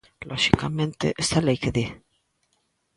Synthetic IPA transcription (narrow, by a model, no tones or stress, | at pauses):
lʔoʃikamẽnt̪ḛʔest̪alejkeði